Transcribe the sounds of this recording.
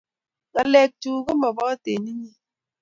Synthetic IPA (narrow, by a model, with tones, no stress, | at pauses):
ka˨lɛ˨k̚tu˨ke˦mɔ˨bɔ˦ka˦te˨ni˦ɲi˦